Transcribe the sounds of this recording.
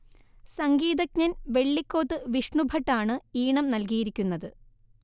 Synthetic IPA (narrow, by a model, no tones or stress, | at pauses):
sɐŋɡiːðɐkɲɐnʋe̞ɭːikʲːo̞ːt̪ːɨʋiʂɳubʱɐʈːaːɳɨiːɳɐmnɐlkijiɾikʲːunːɐðɨ